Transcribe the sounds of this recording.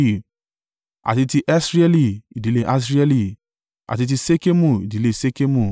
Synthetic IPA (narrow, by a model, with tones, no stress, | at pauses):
a̰˨ti˧ti˧ʔɛ˦sɾi˦ɛ˦li˦˨i˨di˨le˦ʔa˦s̬ɾi˦ɛ˦li˧˨ | a̰˨ti˧t̬i˧se˦ke˦mũ˦˨i˨di˨˦le˦se˦ke˦mũ˦˨